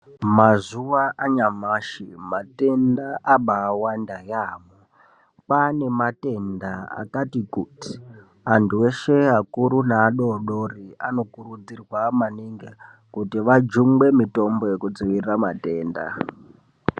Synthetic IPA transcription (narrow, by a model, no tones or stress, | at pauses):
mazuʋaʔaɲamaʃimate̞ndaʔaɓaːwandajaːmo | pane̞mate̞ndaa̰katikuti̥ | ɦantueʃe̞ɦakuɾunaːɗo̞ɗo̞riano̞kuɾud͡zirwamaniŋɡe | kutiʋad͡ʒumɡ͡be̞mito̞mbo̞jekud͡ziʋiramate̞ːnda̰